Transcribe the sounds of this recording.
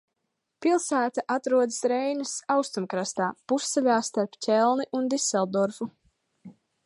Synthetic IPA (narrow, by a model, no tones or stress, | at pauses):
pilˠsæːt̪aʔat̪ɾuɔd̪ɨsɾɛjnasawst̪umkɾast̪aːpusːɛlʲaːst̪aɾpcʲɛlˠniʔund̪isɛlˠd̪ɔɾfu